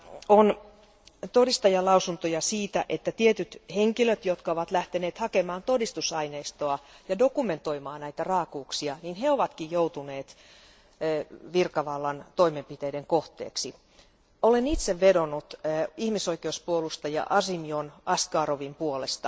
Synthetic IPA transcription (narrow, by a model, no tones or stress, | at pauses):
on | t̪odist̪ɑjɑlɑusunt̪ojɑsiːt̪æ̰ʔet̪ːæt̪iet̪yt̪heŋkiløt̪jot̪kɑoʋɑt̪læht̪eneːt̪hɑkemɑːnt̪odist̪usɑineist̪oɑjɑdokume̞nt̪o̞imɑːnæit̪ærɑːkuːksiɑninheoʋɑt̪kijjout̪uneːt̪ː | ʋirkɑʋɑlːɑnt̪oimempit̪eːdeŋkoht̪ḛːksi | olenit̪seʋːedonut̪ihmisoikeuspuolust̪ɑjɑ̰ʔɑsimionɑst̪kɑːroʋimpuolest̪ɑ